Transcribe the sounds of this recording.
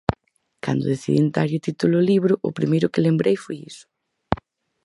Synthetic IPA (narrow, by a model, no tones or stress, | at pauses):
ka̰nd̪ʊðeθiðḭnt̪aɾjʊt̪it̪ulʊliβɾʊʔʊ̰pɾimejɾʊkɪlembɾejfojisʊ̥